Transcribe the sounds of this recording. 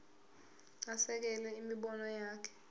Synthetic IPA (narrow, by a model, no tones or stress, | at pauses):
asɛk̬ɛlɛimiɓɔnɔjaːkʰɛ̥